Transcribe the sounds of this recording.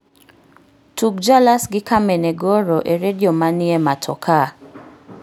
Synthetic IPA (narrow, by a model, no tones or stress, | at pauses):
tukd͡ʒalasɡɪkameneɡɔɾɔʔeɾediomãnɪematʰɔ̰kʰa